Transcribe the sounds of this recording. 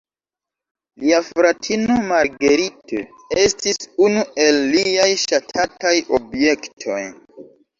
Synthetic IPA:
liafɾatʰinomaɾɡeɾito̰ | e̞stisunue̞lːijajʃatʰatajobje̞ktʰo̞̰j

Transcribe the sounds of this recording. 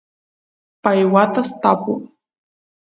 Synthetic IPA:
pajwat̪ast̪apʊ

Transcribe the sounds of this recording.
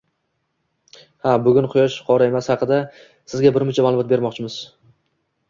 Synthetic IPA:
habʊɡʲʊnqʰʊjɒʃqʰɒɾae̞mashɑqɨd̪a | sɪzɡʲabɪɾmʊt͡ʃʰamalˠʊmɒt̪beɾmɒqt͡ʃʰɪmɪz̥

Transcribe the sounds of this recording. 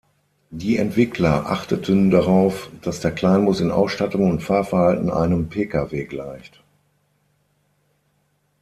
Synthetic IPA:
diːɛ̰ntv̥ɪkʰlɐʔa̰χtətʰəndaʁaʊfd̥asd̥eːɐkl̥aɪnmʊsɪnʔa̰ʊsʃtatʊŋʊntfaːɐfɛɐhaltn̩ʔa̰ɪnəmpʰeːkaveːɡlaɪçt

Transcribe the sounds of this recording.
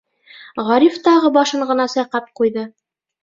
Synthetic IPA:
ʁɑɾift̪ɑʁɤbɑʃɤɴʁɤ̆nɑsɑjqɑp̚qujðɤ

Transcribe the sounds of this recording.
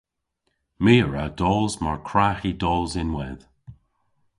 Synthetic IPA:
miːəɹawdɔːlzmaɹkʰɹaːxidɔːlzɪnwɛð̥

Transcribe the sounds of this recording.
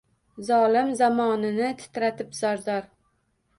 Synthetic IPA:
zɒlɪmzamɒnɪnɪt̪ʰɪ̥t̪ɾat̪ɪpzaɾzɒɾ

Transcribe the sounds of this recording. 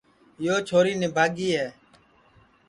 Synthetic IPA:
joːt͡ʃʰoːɾiːneːbʱaːɡiːɦɛː

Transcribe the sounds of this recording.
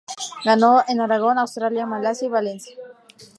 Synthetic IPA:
ɡanoenaɾaɣ̞onawst̪ɾaljamalasjaiβalensja

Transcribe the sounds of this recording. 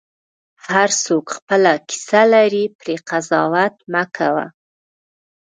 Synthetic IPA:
haɾsokxpəlaki̥salaɾipɾeqazɑwat̪makʰawa̰

